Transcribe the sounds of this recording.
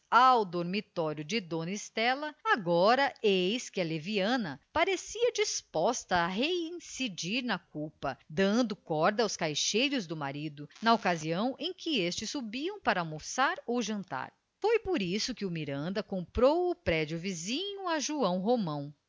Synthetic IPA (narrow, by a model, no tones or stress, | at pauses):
awd̪oɾmit̪ɔɾjʊd͡ʒɪd̪õnist̪ɛlɐaɡɔɾɐejskɪɐleviɐ̃nɐpaɾesiɐd͡ʒispɔst̪ɐːɦeĩsid͡ʒiɾnɐkupɐd̪ɐ̃nd̪ʊkɔɾd̪ɐːwskajʃejɾʊzd̪ʊmaɾid̪ʊnɐokaziɐ̃w̃ʔẽj̃kɪest͡ʃɪsːubiɐ̃w̃paɾɐalmosaɾowʒɐ̃nt̪a̰ɾ | fojpoɾisʊkɪʊmiɾɐ̃nd̪ɐkõmpɾowʊpɾɛd͡ʒʊvizĩɲʊaʒuɐ̃w̃ɦomɐ̃w̃